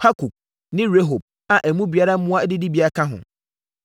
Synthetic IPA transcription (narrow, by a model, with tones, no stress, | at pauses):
ha˦kʰu˨k̚ | nɪ̃˦ɾe˦ɦo˨b̚ | a˨ʔæ˨mũ˦bi˨a˦ɾa˦m̩˦ũ˦a˦dɪ˦dɪ˦bi˨˦a˦kʰã˦ɦʊ̰̃˨